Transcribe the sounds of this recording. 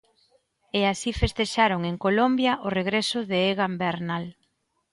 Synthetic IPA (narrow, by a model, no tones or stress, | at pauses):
easifest̪eʃaɾoŋeŋkolombjɐʔʊreɣɾesʊðeeɣambeɾnal